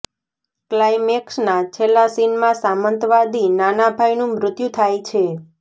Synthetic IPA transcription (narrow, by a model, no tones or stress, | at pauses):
klajmeksnat͡ʃʰelːasinmãsamənt̪ʋad̪inanabʱajnũmɾʊt̪jũt̪ʰajt͡ʃʰe